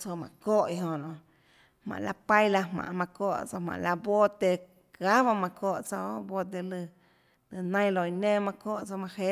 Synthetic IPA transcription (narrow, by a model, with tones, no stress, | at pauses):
t͡so˧mã̰˨koː˦˨ʔi˧ɦõ˧nõ˧˨ | hmã̰˨ʔla̰˧pa˦jla˧mã̰˨ʔmã˧koː˦˨ʔt͡so˧mã̰˨ʔla˧bo˦t̪e˧ | ka˦βa˧mã˧koː˧˨ʔt͡so˧˦bo˧t̪̬e˧lɨ˧ | lɨ˧nã˧j̃lo˧˨i˧nẽː˦mã˧koː˦˨ʔt͡so˧mã˧he˧˦